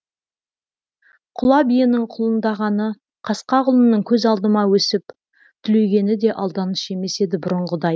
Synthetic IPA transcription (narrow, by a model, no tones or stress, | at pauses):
qʰʊlˠɑbijənəɴqʰʊlˠənd̪ɑʁɑnə | qʰɑsqɑʁʊlˠənəɴkʲʰɵzɑlˠd̪əmɑwɵsɪp | t̪ʰʏleɡʲe̞nɪd̪e̞ʔɑlˠd̪ɑnəʃe̞me̞se̞d̪ɪbʊɾəɴʁəd̪ɑj